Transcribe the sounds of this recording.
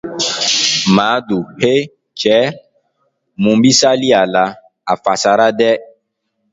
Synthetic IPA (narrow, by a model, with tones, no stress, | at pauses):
ma˨˦du˨he˦ | t͡ʃɛ˨˦ | mũ˨mbi˦sa˦li˦a˨la˨˦ | a˨fa˨sa˨ɾa˦dɛ˦